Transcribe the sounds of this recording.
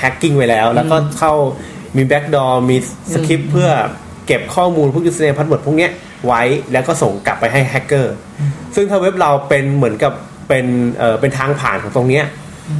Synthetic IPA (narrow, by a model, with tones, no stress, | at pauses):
hʰɛ˦˥kːi˥˩ŋwa˧˥jlɛː˦˥wlɛ˦˥wkɔː˥˩kʰa˥˩w | miː˧bɛ˦˥k̚dɔː˧miː˧ | sa˧kʰi˦˥pʰːɯ˥˩ɐ | ke˨˩p̚kʰɔː˥˩muː˧npʰu˥˩ju˦˥sa˧ɛː˧pʰa˦˥m˨˩pʰu˥˩˨ni˦˥ɐʔ | wa˦˥jlɛː˦˥wkɔː˥˩so˨˩ŋka˨˩pːa˧jɦa˥˩jhʰɛ˦˥kːɤː˥˩ | sɯ˥˩ŋt̪ʰa˥˩we˦˥p̚ɾa˧wpe˧nmɯ˩˦ənka˨˩pː | e˧nʔɤː˨˩pe˧nt̪ʰaː˧ŋpʰaː˨˩nkʰɔː˩˦ŋt̪o˧ŋni˦˥ɐʔ